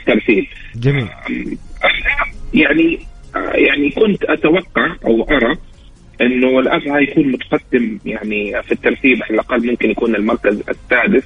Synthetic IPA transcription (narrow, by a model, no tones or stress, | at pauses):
t̪ːɑɾˤt̪iːb | d͡ʒiː | ʔaħɑjaʕniʔjaʕnikʊnt̪ʔat̪awɑqːɑʕʔa̰wʔɑɾˤɑ | ʔɪnːʊɪlʔabhajakuːnmʊt̪ḁqɑd̪ːɪmjaʕnifit̪ːɑɾˤt̪iːbʕalalʔɑqɑlːmʊmkɪnjakuːnɪlmɑɾˤkazɪ̰sːaːd̪ɪθ